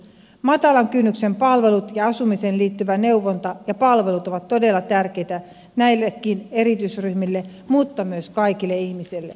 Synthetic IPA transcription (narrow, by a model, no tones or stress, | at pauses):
mɑt̪ɑlɑŋkynːykse̞mpɑlʋe̞lut̪jɑɑsumise̞ːnliːt̪ːyʋæne̞wʋːont̪ɑjɑpɑlʋe̞lut̪oʋɑt̪ːo̞de̞lːɑt̪ærk̟e̞jt̪æ | næilːekːine̞ɾit̪ysryhmilːe | mut̪ːɑmyøskɑjkilːeihmisilːe